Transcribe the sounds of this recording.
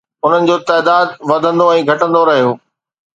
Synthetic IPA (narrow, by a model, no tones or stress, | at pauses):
ʊn̤ənɪ̆d͡ʑoːt̪ɛːd̪aːd̪ʋɐd̪ʱə̃nd̪oɛ̃ːɡʱɐʈə̃nd̪oɾɐɦijoː